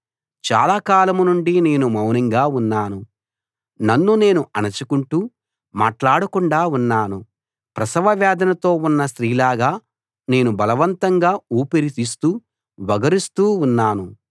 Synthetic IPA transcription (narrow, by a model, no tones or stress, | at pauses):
t͡ʃa̰ːlaːkaːlɐmunuɳɖine̞ːnumɐwnɐŋɡaːunːaːnu | nɐnːune̞ːnuʔɐnɐt͡ʃukuɳʈuː | maːʈlaːɽɐkuɳɖaːunːaːnu | pɾɐsɐʋɐʋɛːd̪ɐnɐt̪o̞ːunːɐst̪ɾiːlaːɡaː | ne̞ːnubɐlɐʋɐnt̪ɐŋɡaːuːpiɾit̪iːst̪uː | ʋɐɡɐɾist̪uːunːaːnu